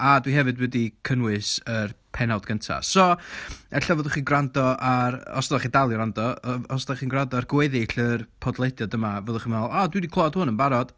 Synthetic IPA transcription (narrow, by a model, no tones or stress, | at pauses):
adwihɛvɨdwɛdikʰənwɨsərpʰɛnawdɡəntʰa̰sɔɛɬavoːðʊχiːnɡrandɔʔaɾɔ̰sdɔaχidalˠiɾandɔɔsdaχiːnɡrandɔarɡweɨðɪɬərpʰɔdlˠejdjɔdəmavoːðʊχimɛlˠadwidikʰlˠɔɔd̥hʊnənbaɾɔd̥